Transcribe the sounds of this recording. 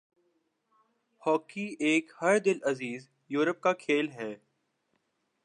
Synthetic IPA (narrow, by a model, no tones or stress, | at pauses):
hɔːkieːkhɐɾd̪ɪlɐziːz | juːɾəp̚kakʰeːlɦɛː